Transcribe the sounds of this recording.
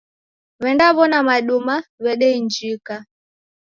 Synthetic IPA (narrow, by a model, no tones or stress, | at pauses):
βɛndaβɔnamaɗumaβɛɗɛiɲd͡ʒika